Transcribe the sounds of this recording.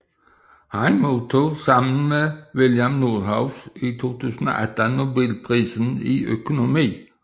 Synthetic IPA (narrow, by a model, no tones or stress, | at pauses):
hɑnmoːt̪ʰuːsɑmən̩meʋɪljɑmnuːhɑʊsit̪ʰo̝ːt̪ʰʉːsn̩o̰ːʔæt̪ənʊbilpʰʁiːsn̩iʔœ̰kʊnʊmiː